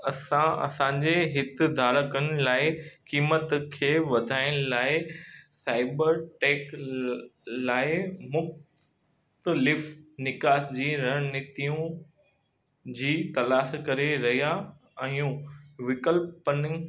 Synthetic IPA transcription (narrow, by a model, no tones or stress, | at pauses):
ɐsãɐ̰sãːɲd͡ʑeɦɪt̪ɪ̆d̪ʱaːɾəkənɪ̆laːɪkiːmət̪kʰeːʋɐd̪ʱaːɪɽ̃ʊlaːɪsaːɪbəɾʈeːk | laːɪmʊx | t̪əlɪfnɪkaːsd͡ʑiːɾɐɦnɪt̪ijũ | d͡ʑiːt̪ɐlaːʃkɐɾeɾɐɦija | ɛ̃ũʋɪkəlpənɪ